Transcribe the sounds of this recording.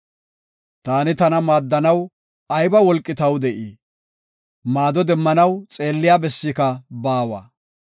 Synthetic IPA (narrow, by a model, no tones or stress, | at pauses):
t̪aːnɪt̪ɐnɐmaːd̪ːɐnɐw | ɐjbɐwɔlkʼːɪt̪ɐwd̪ɛʔiː | maːd̪ɔd̪ɛmːɐnɐwt͡sʼe̞ːlːɪjaːbɛsːikɐbaːwɐ̰ː